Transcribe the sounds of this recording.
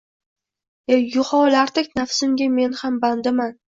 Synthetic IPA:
ejʊχɒlaɾd̪ɪkʲnafsɪmɡʲame̞nhamband̪ɪman

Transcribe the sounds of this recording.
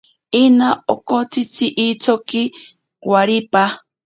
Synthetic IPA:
inaokot͡sʰit͡sʰiʔit͡sʰoki | waɾipa

